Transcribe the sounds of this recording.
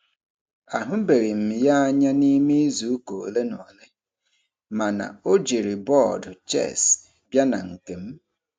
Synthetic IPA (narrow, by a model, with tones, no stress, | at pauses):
a˨ɦʊ˦be˨ɾi˨m̩˨ja˦a˦ɲa˦ni˦me˦i˦zu˨u˦ko˨o̰˨le˦nɔ˨le˦ | ma˨na̰˨o˦d͡ʒe˨ɾi˨bɔ˦˨dt͡ʃɛ̰˦˨s | bja˦na̰˨ŋ̩˨ke˨m̩˦